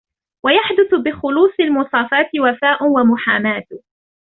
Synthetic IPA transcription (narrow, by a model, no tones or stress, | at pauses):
wajaħd̪ʊθbɪxʊluːsˤɪlmʊsˤɑːfaːt̪ɪwafaːʔwamʊħaːmaːt̪